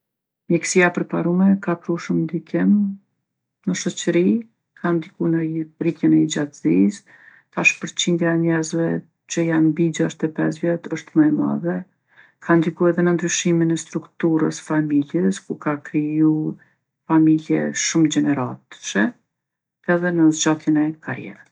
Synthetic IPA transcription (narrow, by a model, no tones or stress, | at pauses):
mjɛksijapəɾpaɾumɛkakɾuʃumnd̪ikɪm | nəʃɔt͡ʃɾi | kʰand̪ikunərik̪jɛnɛid͡ʒat̪zis | t̪aʃpəɾt͡ɕind̪jaɛɲɛzvɛ | t͡ɕəjanbid͡ʑaʃt̪ɛpɛz̬vjɛt̪əʃt̪məɛma̰ðɛ | kʰand̪ikuɛðɛnənd̪ɾyʃiminɛst̪ɾukt̪uɾə̰sfamiljɛskukakɾiju | familjɛ̰ʃumd͡ʑɛnɛɾat̪ʃɛ | ɛðɛnəzd͡ʒat̪jɛnɛkʰaɾjɛ̰ɾəs